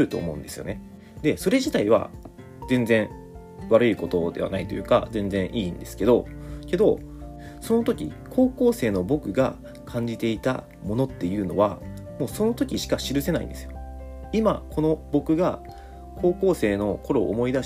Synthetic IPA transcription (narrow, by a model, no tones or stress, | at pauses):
ɯ̟t̪o̞̰ːmo̞ɯ̟nd̪e̞sɨjo̞̰ne̞ | d̪e̞so̞ɾe̞ʑit̪aiβ̞a̰ | zẽ̞nd͡zẽ̞ɰ̃ | βaɾɯ̟iko̞t̪o̞d̪e̞β̞a̰nait̪o̞jɯ̟ːka̰zẽ̞nd͡zẽ̞ɰ̃ʔĩːnd̪e̞sɨ̥ke̞d̪o̞̰ke̞d̪o̞ | so̞not̪o̞kʲḭkʰo̞ːko̞ːse̞ːno̞bo̞kɯ̟ɡa̰ | kʰãɲ̟d͡ʑit̪e̞it̪a̰ | mo̞no̞t̪ːe̞jɯ̟ːno̞̰βa | mo̞ːso̞no̞t̪o̞kʲiɕi̥kaɕiɾɯ̟se̞naḭnd̪e̞sɨjo | imakʰo̞no̞bo̞kɯ̟ɡa | kʰo̞ːko̞ːse̞ːno̞ko̞ɾo̞̰ːmo̞id̪a